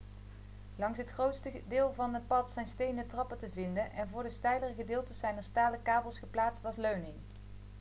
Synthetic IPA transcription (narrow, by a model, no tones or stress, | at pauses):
lɑŋsɦətχrowtstədɪːlˠvɑnɦət̚pɑtsɛjnstejndətrɑpətəvɪndənʔɛnvʊːɹdəstɛjlərəχədɪːlˠtəsɛjnəɹstaːləkaːbəlˠsχəplaːtstɑlˠsløɥnɪŋ